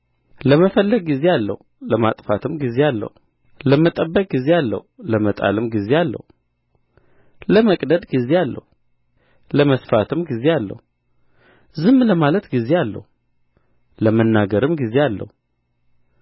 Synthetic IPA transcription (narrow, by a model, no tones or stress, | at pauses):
ləməfəlːəɡ̚ɡize̞alːə̰hu | ləmat̪ʼfat̪ʰɨmɡize̞alːə̰hu | ləmət̪ʼəbːəkʼɡize̞alːə̰huləmət̪ʼa̰lɨmɡize̞alːə̰hu | ləməkʼd̪əd̪ɡize̞alːə̰hu | ləməsfat̪ʰɨmɡize̞alːə̰hu | zɨmːləmalət̪ɡize̞alːə̰hu | ləmənːaɡəɾɨmɡize̞alːə̰hu